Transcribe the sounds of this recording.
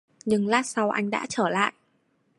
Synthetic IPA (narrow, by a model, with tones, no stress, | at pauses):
ɲɨ˧ŋlaː˧˥sa˧wʔa˧jŋ̟ɗa̰ː˧˥t͡ɕəː˧˩la̰ː˧˨jʔ